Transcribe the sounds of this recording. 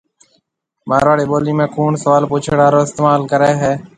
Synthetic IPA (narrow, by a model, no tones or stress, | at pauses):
maːɾaːɽeːɓoːlĩːmẽːkʰuːɳsəʋaːlpuːt͡ʃʰɽaːɾoːɪst̪eːmaːlkəɾeːɦeː